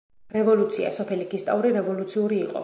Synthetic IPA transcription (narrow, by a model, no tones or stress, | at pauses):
ɾɛvɔlut̪sʰia̰sɔpʰɛlikʰist̪ʼauɾiɾɛvɔlut̪sʰiuɾiːqʼɔ̰